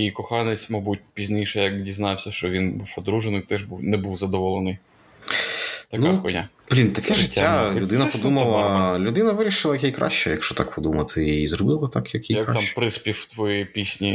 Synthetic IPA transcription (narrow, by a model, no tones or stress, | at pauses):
ikɔxɑnɪt͡sʲmɐbut̚ʲpʲizʲnʲijʃɛjɐkdʲiznɑwsʲɐʃt͡ʃɔʋʲinbuwpɔd̪ɾuʒenɪkt̪ɛʒbuwnɛbuwzɐd̪ɔʋɔlˠenɪj | t̪ɐnuɛkɔnʲa | b̥lʲint̪ɐkɛʒɪtʲːaud̪ɪnɐpɔd̪umɐlˠɐlʲʊd̪ɪnɐʋɪɾʲiʃɪlˠɐjkʲijkɾɑ̰ʃt͡ʃɛjɐkʃt͡ʃɔt̪ɑkpɔd̪umɐt̪ʰɪizɾɔbɪlˠɐt̪ɑkjɐkʲijɐk̪ɑmpɾɪspʲiwt̪ʋɔjipʲisʲnʲi